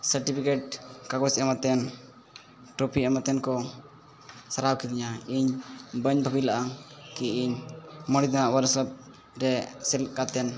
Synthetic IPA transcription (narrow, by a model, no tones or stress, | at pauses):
səɾʈipʰikeʈ̚kaɡɔsɛmat̪ɛn | ʈɾopʰiɛmat̪ɛnkɔ | saɾawkid̪iɲaiɲbəɲbʱəbilaʔakiiɲməɽid̪aawəɾsəp̚ | ɾɛsɛlt̚kat̪ɛn